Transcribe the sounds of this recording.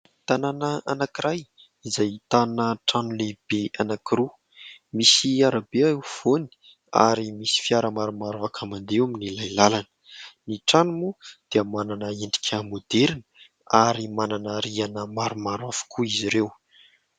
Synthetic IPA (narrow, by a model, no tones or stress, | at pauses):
t̪ananaanakiɾaj | izajit̪anəʈ͡ʂanulebeanakiɾu | misiaɾabeaewv̥oni̥ | a̰ɾimisi̥fiaɾəmaɾumaɾuakʰəmand̪eaminilajlalanə̥niʈ͡ʂanumud̪̥eəmananəeɳɖ͡ʐi̥kʲʰamod̪eɾinə̥ | aɾimananəɾianəmaɾumaɾwafu̥kʰuiziɾew